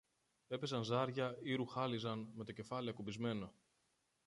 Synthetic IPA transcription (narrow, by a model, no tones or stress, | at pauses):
e̞pe̞zɐnzɐɾʝɐiɾuxɐlizɐnme̞t̪o̞ce̞fɐliɐkubizme̞no